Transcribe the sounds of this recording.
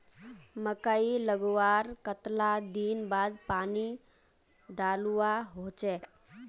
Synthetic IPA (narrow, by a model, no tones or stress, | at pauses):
məkaːiləɡwaːɾkət̪lad̪iːnbaːd̪paːni | ɖaːluaɦoːt͡ʃeː